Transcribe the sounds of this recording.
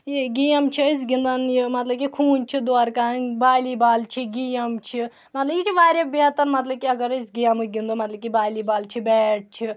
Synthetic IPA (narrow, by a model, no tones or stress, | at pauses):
jiɡijɐmt͡ʃʰiəs̬ɡind̪ɐnjimɐt̪lɐb̚kikʰuːnt͡ʃʰid̪oaɾkaːnbaːjlibaːlt͡ʃʰiɡijɐmt͡ʃʰi | mɐt̪lɐbjit͡ʃʰiʋaːɾʲebiɦɐt̪ɐɾmɐt̪lɐb̚kiɐɡɐɾəsʲɡijɐmɨɡʲind̪omɐt̪lɐb̚kʲibaːlibaːlt͡ʃʰibɛːʈ̚t͡ʃʰi